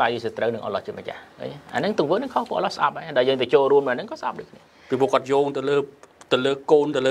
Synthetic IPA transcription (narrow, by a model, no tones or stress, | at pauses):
ajisiət̪rəwnɨŋʔɑ̰lɑ̰ht͡ɕiət̪mət͡ɕa̰hə̰ɲʔa̰ːnɨŋt̪ʊəŋʋəːnɨŋkʰohpuəʔlɑhsʔa̰p̚haːɗaɔjəːŋt̪at͡ɕoːlruəmnɨʔanɨŋkɑːsʔa̰p̚ɗo̰ːj̚kʰniə | pipʰuəkŏət̪̚joːŋt̪ɨwləːt̪ɨwləːkoːnt̪ɨwləː